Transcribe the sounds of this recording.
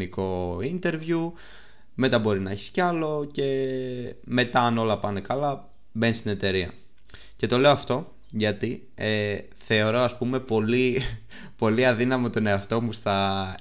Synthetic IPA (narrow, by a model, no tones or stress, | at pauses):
iko̞int̪e̞ɾvju | me̞t̪ɐbo̞ɾinɐeçi̥sceɐlo̞ce̞ | me̞t̪ɐːno̞lɐpɐne̞kɐlɐ | be̞nst̪ine̞t̪e̞ɾiɐ̰ | ce̞t̪o̞le̞oɐft̪o̞ | ʝɐt̪i | e | θe̞o̞ɾo̞ɐspume̞po̞li | po̞liɐðinɐmot̪one̞ɐft̪o̞mustɐ